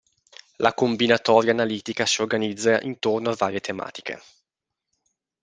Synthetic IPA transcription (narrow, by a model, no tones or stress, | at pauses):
lʔakombinat̪ɔːɾjaːnaliːt̪ikasiorɡanid̪zːaʔint̪ornoavːaːɾjet̪ʰema̰ːt̪i̥kḛ